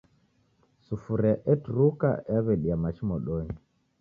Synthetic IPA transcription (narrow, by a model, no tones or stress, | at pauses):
sufuɾɛʔɛtuɾuka̰aβɛɗiamaʃimɔɗɔɲi